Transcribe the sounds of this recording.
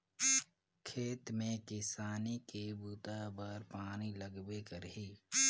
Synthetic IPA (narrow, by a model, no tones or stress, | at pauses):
kʰeːt̪mẽkɪsaːnikebuːt̪abəɾpaːniləɡbekəɾɦiː